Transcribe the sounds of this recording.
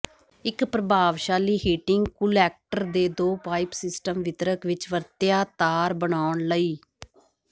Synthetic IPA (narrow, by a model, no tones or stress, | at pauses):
ɪkpɾəbaːʋʃaːliːɦiːʈɪŋɡkʊlɛːk̚ʈəɾd̪eːd̪oːpaːɪpsɪsʈəmʋɪt̪ɾəkʋɪt͡ʃʋəɾt̪jaːt̪aːɾbəɳaːʊɳləiː